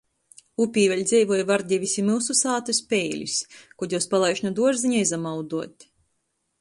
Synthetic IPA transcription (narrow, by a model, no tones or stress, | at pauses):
upʲiːvɛlʲd̪zʲɛjvuɔjvaɾd̪ʲivʲisʲimilˠsusaːt̪ɨspʲɛjlʲḭskɔd̪ʲjɔwspalˠajʃnud̪uɔʒziɲaizamawd̪uɔt̪ʲ